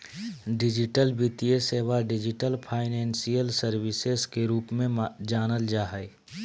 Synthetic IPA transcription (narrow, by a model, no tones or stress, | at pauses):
ɖɪd͡ʒɪʈəlbit̪ieseːʋaɖɪd͡ʒɪʈəlpʰaːɪnɛ̃ːnsijəlsəɾʋɪsezkeɾuːpmẽd͡ʒaːnəld͡ʒaːɦɛɪ